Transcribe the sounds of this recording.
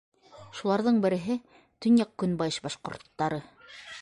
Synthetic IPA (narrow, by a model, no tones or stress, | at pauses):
ʃulˠɑɾðɤɴbɘ̆ɾɘ̆ɦɘ | t̪ɵ̆njɑq̚kːɵnbɑjɤʃbɑʃqŏ̰ɾt̪ːɑɾɤ